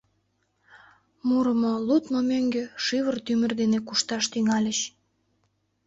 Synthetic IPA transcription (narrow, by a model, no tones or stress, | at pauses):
muɾəmolut̪momøŋɡeʃiβərt̪ymə̆rd̪enekuʃt̪ɑʃt̪yŋɑlʲəɕ